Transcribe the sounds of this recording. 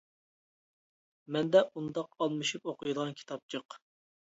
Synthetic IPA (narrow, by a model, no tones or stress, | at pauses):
mɛnd̪ɛʔund̪ɑqɑlˠmɨʃupoqʰʊjud̪əʁɑnkʲʰi̥t̪ʰɑp̚t͡ʃʰəq